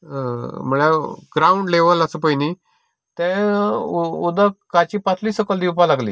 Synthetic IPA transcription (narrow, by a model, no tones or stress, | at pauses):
m̤əɭaɡ̥ɾauɳɖleʋələsəpəini | t̪ɛ̃ | ud̪akat͡ɕiːpat͡s̪ʰliːsəkəld̪ipalaɡlḭː